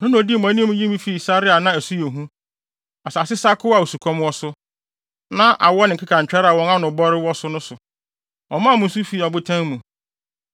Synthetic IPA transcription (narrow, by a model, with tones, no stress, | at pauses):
nʊ̃˦ñ˨ɔ˨di˦˨m˨ã˨˦nĩ˦mũ˦ji˦mĩ˦fi˨sa˦ɾɪ˦a˨nã˦æ˨su˦je˨ɦũ˦ | a˨sa˨sɪ˦sa˦kʰʊ˦a˨u˨su˨kʰɔ̃˦m˦ɔ˦sʊ˦ | nã˦ʔa̰˨wɔ˦nɪ̃˨ŋ̩˨kʰɪ˦kʰã˨ɲ̩˨t͡ɕᶣa˦ɾa˨wɔ̃˦nã˦nʊ̃˨bɔ˦ɾɪ˦wɔ˦sʊ˦nʊ̃˦sʊ˨ | ɔ˨mã˦˨mʊ̃˦n̩˦s̬u˦fi˨ɔ˨bʊ˦tʰã˦ŋ˦mũ˨